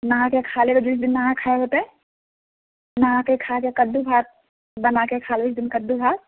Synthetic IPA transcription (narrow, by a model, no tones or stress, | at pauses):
nɐɦãkekʰaːlebəd͡ʒɪsd̪ɪnːaɦãkʰaːeɦoːt̪eɛ | nɐɦãkekʰakekəd̪ːubʱaːt̪̚ | bɐnakekʰaːlbɪsd̪ɪnkəd̪ːubʱaːt̪̚